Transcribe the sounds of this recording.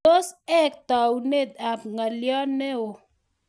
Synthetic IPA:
o˦sɛ˦k̚t̪a˨wu˨ne˦d̪a˨pŋa˨ljɔ˦nɛ˦o˨

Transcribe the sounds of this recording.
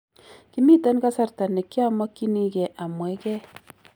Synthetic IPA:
ki˦mi˦ta˦nka˦sa˨rta˨nɛ˨kːi˦a˦mːɔ˦kːi˦ni˦kɛ˨ʔa˨mwɛ˨˦kɛ˦

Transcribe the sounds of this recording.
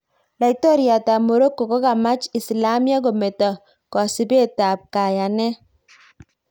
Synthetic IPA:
la˨i˦tɔ˦ɾja˨ta˨mo˨ɾo˦kːo˨ko˦ka˨ma˦t͡ʃi˨si˨la˦mja˦ɡo˨me˨ta˨ | kɔ˨si˨be˦ta˨p̚ka˨ja˨nɛ˦

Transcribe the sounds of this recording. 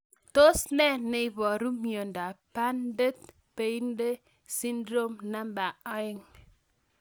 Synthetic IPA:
to˦sne˦ne˨i˨βɔ˨ɾu˦mjo˨n̩˨da˨pa˦n˦de˦t̚ | pe˦i˦n̩˦de˦ | si˦n˦dɾo˦m˦na˦m˦ba˨a˦i˦ŋ

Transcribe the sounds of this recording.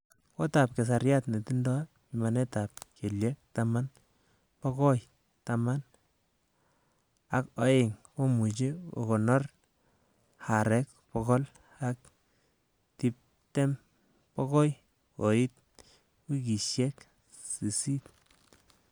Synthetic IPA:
ko˦ta˨p̚ke˨s̬a˨ɾja˦tne˨ti˦ndɔ˦ | i˨ma˨ne˦ta˨p̚kʰe˨lje˦k̚tama˦n | pɔ˦ko˦j | tama˦n | a˨ko˦e˨ŋko˦mu˨t͡ʃi˦o̰˨ko˨nɔ˦r | haɾɛ˦k̚ | pɔ˧kɔ˦l | a˦k̚ | ti˦p̚ | te˦m | pɔ˦kɔ˦j | ko˨i˦t̚ | wi˦ki˨ʃjɛ˦k | si˨si˦t̚

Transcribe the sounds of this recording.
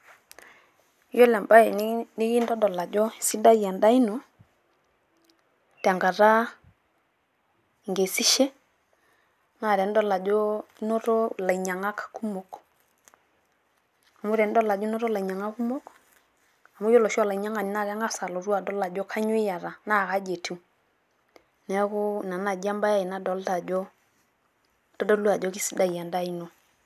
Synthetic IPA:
jɔ˦la˨mba˦ɛ˨ni˦ɣi˦ndɔ˦dɔ˨la˨d͡ʒɔ˦i˨si˦da˦a˨nda˦i˦nɔ˨ | ta˨ŋɡa˨ɾa˦˨ | ŋɡe˨si˦ʃɛ˦ | na˨ɾɛ˨ndɔ˦la˨d͡ʒɔ˦nɔ˦ɾɔ˦la˨i˨ɲa˨ŋa˦kḁ˨ku˦mo˨k | a˨mu˦ɾɛ˨n˦dɔ˦la˨d͡ʒɔ˦nɔ˦ɾɔ˦la˨i˨ɲa˨ŋa˦ku˦mo˦k | a˨mu˦jɔ˦lɔ˨ʃa˦la˨i˨ɲa˦ŋa˨n˨na˦˨kɛ˦ŋa˦sa˨lo˨ɾu˦a˨dɔ˦la˨d͡ʒɔ˦kʰa˦ɲo˦ɪ˦ja˨ɾa˨na˦˨ka˦d͡ʒe˨tʰu˨ | nɛ˨˦kʊ˦˨na˨na˨d͡ʒa˦mba˦ja˦i˨na˦dɔ˨˦lta˨d͡ʒo˦ | d̥ɔ˦dɔ˦lu˦a˨d͡ʒɔ˦ki˦si˦da˨ja˨nda˦i˦no˨

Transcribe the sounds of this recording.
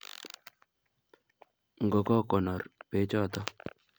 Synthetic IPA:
ŋɡɔ˨kɔ˦kɔ˨nɔ˨ɾpe˨˦t͡ʃɔ˦˨t̪ɔ˦

